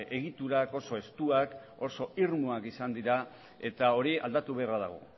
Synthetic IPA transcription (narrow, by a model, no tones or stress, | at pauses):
e̞ɣit̪uɾako̞so̞e̞st̪uako̞so̞iɾmuakisand̪iɾa | e̞t̪ao̞ɾia̰ld̪at̪uβ̞earaðaɣ̞o̰